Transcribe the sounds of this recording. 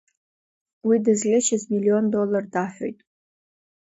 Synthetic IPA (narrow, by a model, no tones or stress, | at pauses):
widɨzlʲɪʃɪzmilio̞ndo̞lardaħʷᶣojtʼ